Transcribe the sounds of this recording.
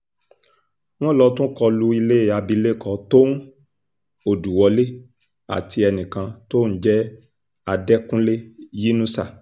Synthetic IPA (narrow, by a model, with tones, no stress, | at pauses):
w̃ɔ̃˦˨lɔ˧tũ˦kɔ˧lu˦i˧le˦˨a˧bi˧˦le˦˨kɔ˧˦to˦n̩˦ | o˦˨du˨wɔ˨˦le˦ | a̰˨tʰi˧ɛ˧nĩ˨kã˧to˦˨n̩˦d͡ʒɛ˦ | a˧dɛ˦kũ˦le˦ji˦nũ˦sa˦˨